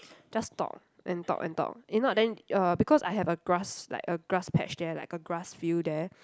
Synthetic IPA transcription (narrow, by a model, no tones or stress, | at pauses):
d͡ʒastɔ̰k̚ | ʔɛ̃ntɔ̰ʔɛ̰̃ntɔ̰k̚inɔdɛ̃nʌbikʰɔsaɪɦɛvəɡɹasla̰ɪkəɡɹaspʰɛ̰t͡ʃdɛla̰ɪkəɡɹasfjudɛ